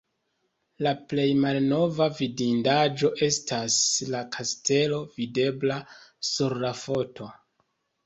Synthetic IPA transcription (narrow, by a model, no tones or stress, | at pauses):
laple̞jmalno̞vavidindad͡ʒo̞ʔe̞staslakʰaste̞lo̞vide̞blasuɾlafo̞to̞